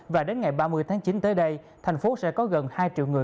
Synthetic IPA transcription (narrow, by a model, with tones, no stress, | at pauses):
vaː˨˩ɗe˨˦nŋa˨˩jɓaː˧mɨ˧əjt̪ʰaː˨˦ŋt͡ɕi˨˦nt̪əː˨˦jɗə˧j | t̪ʰa˨˩ŋ̟fo˨˦sɛ̰˧˥kɔ˨˦ɣə˨˩nhaː˧jt͡ɕḭ˧˨wŋɨ˨˩